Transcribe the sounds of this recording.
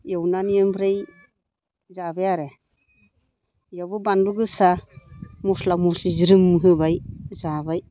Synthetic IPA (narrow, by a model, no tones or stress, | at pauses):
jewnanijɯmbʰɾej | zabejaɾe | jawbɯbanduɡɯsa | mɔslamusiziɾɯmːɯɦɯbajzabaj